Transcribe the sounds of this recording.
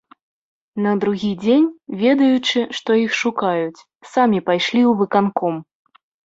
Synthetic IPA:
nɐd̪ɾuɣʲid͡zʲenʲvʲɛd̪ɐjut͡ʂɨʂt̪ɔixʂukajut͡sʲ | samʲipajʂlʲiwvɨkankɔm

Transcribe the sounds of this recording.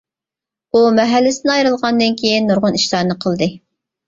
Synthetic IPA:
umɛɦælːɪsɪnɪɑjɾɨlˠʁɑnd̪ɨnkʲʰejinːuɾʁʊniʃlɑːɾɨnɨqʰəlˠd̪ɨ

